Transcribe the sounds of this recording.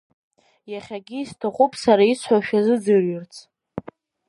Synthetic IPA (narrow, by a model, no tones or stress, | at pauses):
jaχʲaɡʲɪːstʰaχʷʼupʼsaɾait͡sʷʰħaʃᶣazɨd͡zɨrɥʏrt͡sʰ